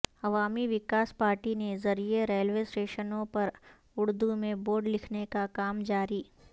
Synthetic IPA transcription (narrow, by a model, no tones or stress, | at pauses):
ɐʋaːmiʋɪkaːspaːɾʈinezɐɾieɾeːlʋeːsʈeːʃənõpɐɾ | ʊɽd̪umẽboːɾɖlɪkʰnekakaːmd͡ʒaːɾiː